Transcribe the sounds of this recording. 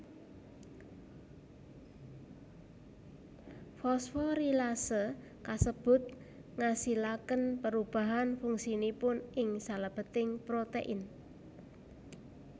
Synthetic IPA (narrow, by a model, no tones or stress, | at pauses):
fɔsfɔɾilasə | kasəb̥ʊ̤t̪̚ | ŋasilakənpəɾub̥a̤ɦanfuŋsinipʊnʔɪŋsaləb̥ə̤t̪ɪŋpɾot̪eʔɪn